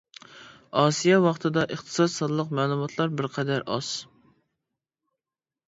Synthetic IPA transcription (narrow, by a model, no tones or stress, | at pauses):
ɑːsijɑwɑχt̪ʰɨd̪ɑʔəχt̪ʰɨ̥sɑt̪sɑd̪lˠəqmæːlˠumɑt̪ʰlˠɑɾbɪɾqʰɛd̪æɾʔɑz̥